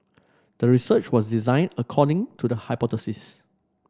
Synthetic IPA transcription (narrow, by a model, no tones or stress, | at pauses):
d̥əɹisət͡ʃwɔsdizãɪ̃nəkʰɔdɪ̃ŋtʰudəhaɪpɔtəsis